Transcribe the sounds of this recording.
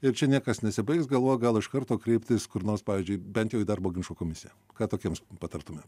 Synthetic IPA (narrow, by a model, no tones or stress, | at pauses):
ɪɾt͡ʃʲɛnʲiɛkɐsnʲɛsʲɪbɐɪksɡɐlˠʋoːjɡɐlˠɪʃkɐɾt̪oːkɾʲɛɪpʲt̪ʲɪskʊɾnoːrspɑːʋʲiːzʲd͡ʒʲʊɪbʲɛnt̪jɛʊiːd̪ɑrboːɡʲɪnʲʃkoːkoːmʲɪsʲɪjɛ | kɑːt̪oːkʲiɛmspɐt̪ɐɾt̪ʊmʲeːm